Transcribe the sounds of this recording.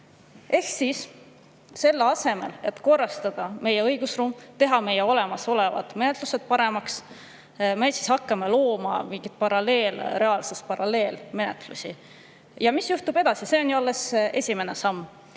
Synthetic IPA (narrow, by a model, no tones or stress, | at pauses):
ʔe̞hsis | se̞lːeɑse̞me̞̰le̞t̪ko̞rːɑst̪ɑd̪̥ɑme̞jeɤjɡ̥usruːmt̪e̞ɦɑme̞jeo̞le̞mɑso̞le̞vɑ̰d̪̥me̞ne̞t̪ˑluse̞d̪̥̚pɑɾe̞mɑks | mejsi̥shɑkːɑmelo̞ːmɑ̰miŋɡ̥id̪̥̚pɑɾɑle̞ːlɾe̞ɑlsespɑɾɑle̞ːlme̞net̪ˑlṵsʲi | jɑmisjuht̪ub̥e̞d̪ɑsise̞onjuɑlːe̞se̞sʲime̞ne̞sɑmː